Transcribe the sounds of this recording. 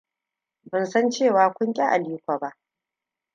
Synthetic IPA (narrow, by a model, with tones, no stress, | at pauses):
bɐ˨nsɐ˦nt͡ʃeː˦˨waː˨kʷʊ˦ŋkʲʼa˦ʔa˨liː˦kʷaː˨ba˦ʔ